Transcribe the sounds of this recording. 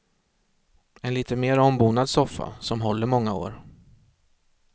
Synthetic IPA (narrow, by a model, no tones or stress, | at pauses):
ɛnliːt̪əmeːɾɔmbuːnad̪sɔfːa̰sɔmɦɔlːəɾmɔŋːao̰ːɾ